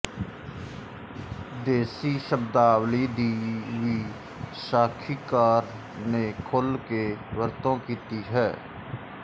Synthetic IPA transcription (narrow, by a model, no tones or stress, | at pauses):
d̪eːsiʃəbd̪aːwlid̪iːʋiː | saːkʰiːkaːɾ | nekʰolkeʋəɾt̪õːkiːt̪iɦɛː